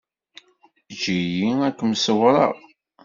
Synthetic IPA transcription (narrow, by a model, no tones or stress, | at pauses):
d͡ʒijiækːmsəwɾˤɑ̰ʁ